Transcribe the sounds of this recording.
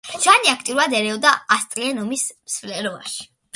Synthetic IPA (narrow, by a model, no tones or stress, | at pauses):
t͡ʃʰwaniakʰt̪ʼiɾuɾad̪ɛɾɛɔd̪aast̪ʼɾiɛnɔmismsflɛɾɔa̰ʃi̥